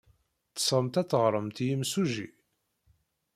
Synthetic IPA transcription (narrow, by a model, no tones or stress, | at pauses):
θə̥sˤʁəmt̪æt͡sːəʁɾˤəmt̪jimsuʒḭ